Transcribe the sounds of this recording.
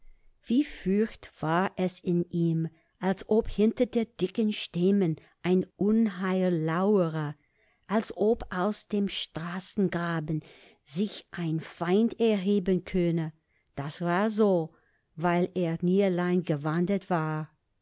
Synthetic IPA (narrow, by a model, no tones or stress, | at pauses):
v̥iːfyçtv̥aːɐʔɛsɪnʔiːm | ʔalsʔophɪntɐdeːd̥ɪkənʃtɪmən | ʔaɪnʔʊnɦaɪəlaʊəʁɐ | ʔalsʔopʔaʊsd̥eːmʃtʁ̥aːsn̩ɡʁaːbn̩ | zɪçʔaɪnfaɪntɛɐɦeːbənkʰœnə | d̥asvaːɐzoː | vaɪleːɐniːɐlaɪnɡəvandətv̥aːɐ